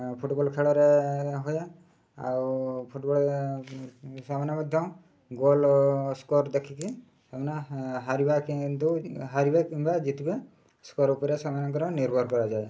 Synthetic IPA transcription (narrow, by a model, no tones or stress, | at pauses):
pʰuʈbɔlkʰeɭɔɾeɦoje | a̰wpʰuʈbɔle | samanjɔmɔd̪ʱjɔm | ɡolskɔɾd̪ekʰiki | samanɔɦaɾibakint̪uɦaɾibakinbad͡ʒit̪ʰibe | skɔɾupɔɾesamanɔkɔɾɔniɾbʱɔɾkɔɾad͡ʒaj